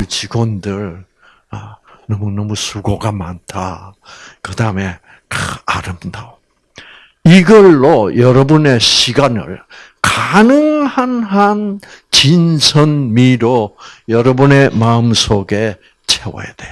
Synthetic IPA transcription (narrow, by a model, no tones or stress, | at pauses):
t͡ɕiɡwondɯɭ | nʌmunʌmusʰuɡoɡama̰ntʰa | kɯdaɯme̞ | kaaɾɯmdao | iɡʌɭːojʌɾʌbune̞ɕʰiɡanɯ̰ɭ | kanɯŋhanɦant͡ɕinsʰʌnmiɾojʌɾʌbune̞maɯmsʰoɡe̞ | t͡ɕʰewʌ̰jad̥e